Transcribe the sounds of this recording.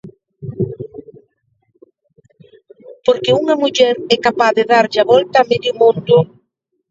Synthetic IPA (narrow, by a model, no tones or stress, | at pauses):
poɾkeuŋamuʎɛɾɛkapaðeðaɾʎaβɔlt̪aːmeðjʊmõnd̪ʊ